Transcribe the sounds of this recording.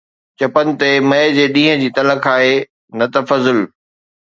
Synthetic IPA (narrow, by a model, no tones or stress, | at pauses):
t͡ɕɐpənɪ̆t̪emɐɪd͡ʑeːɗĩːɦə̃d͡ʑiːt̪ɐləkʰaːɦeː | nɐt̪ɐfɐzɪl